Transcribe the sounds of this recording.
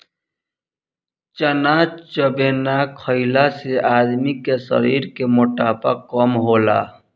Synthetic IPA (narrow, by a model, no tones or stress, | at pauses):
t͡ʃənat͡ʃəbeːnakʰəɪlaseʔaːd̪mikesə̰ɾiːɾkemʊʈaːpə̰kːəmɦoːla̰ː